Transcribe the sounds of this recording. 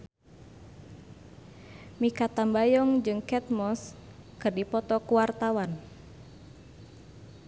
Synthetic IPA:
mikat̪ambajɔŋd͡ʒɨŋkɛt̪̚mɔskɨrdipɔt̪ɔkuwart̪awan

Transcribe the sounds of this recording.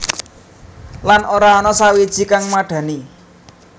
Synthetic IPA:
lanʔoɾaɔnɔsawid̥ʒ̥i̤kaŋmaɖ̥ä̤ni

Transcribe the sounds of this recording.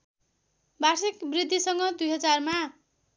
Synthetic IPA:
basikbrid̪ʱːisʌŋɡʌd̪ujɦʌd͡zarma

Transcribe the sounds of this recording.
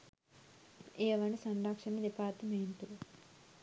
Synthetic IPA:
eːʋɐnisɐɳɖaːkʂɐnːid̪ipaːt̪umeːnʈuɾu

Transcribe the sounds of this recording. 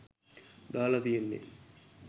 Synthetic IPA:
d̪aːlat̪ijenːḛ

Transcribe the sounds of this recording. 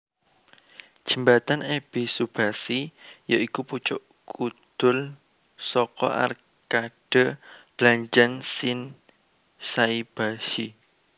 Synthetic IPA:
d͡ʒ̥ə̤mbat̪aneb̥isub̥asijaikuput͡ʃʊʔ | kud̪̥ʊl | sɔkɔ̰ʔa̰r | kaɖ̥ə̤b̥laɲt͡ʃansɪn | saib̥aʃi

